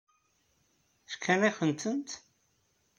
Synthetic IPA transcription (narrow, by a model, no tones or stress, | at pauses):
θkʰːæniχənt̪ənt̪